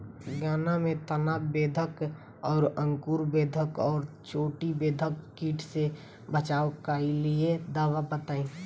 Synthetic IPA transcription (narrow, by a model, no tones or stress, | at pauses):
ɡaːnamẽt̪ənaːbeːd̪ʱək | ɔːɾə̃ŋkuːɾbeːd̪ʱəkɔːɾt͡ʃoːʈibeːd̪ʱəkːiːʈʰse | bət͡ʃaːokalied̪aːʋabət̪aːĩː